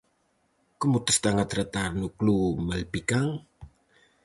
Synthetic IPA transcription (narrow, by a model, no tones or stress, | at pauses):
kəmut̪ə̥st̪aŋat̪ɾət̪arnuklumalpikaŋ